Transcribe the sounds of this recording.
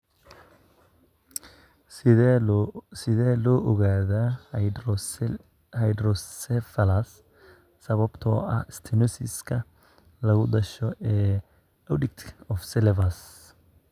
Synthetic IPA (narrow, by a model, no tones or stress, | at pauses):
sɪðɛːlɔːʔɔɣaːða | hɐjd̪ɾɔsɛfɐlɐsː | ɐβɐbt̪ʰɔɐ̰ɪst̪ʰɪnɔsɪ̰skʰɐ | lɐɣʊd̪ɐʃɔʔɛː | ɐdɪk̚t̪ʰɔfsɛlɛvɐs